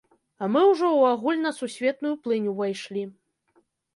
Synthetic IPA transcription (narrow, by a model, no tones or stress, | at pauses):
ɐmɨwʐɔwaɣulʲnɐsusʲvʲɛt̪̚nujuplˠɨnʲuvajʂlʲi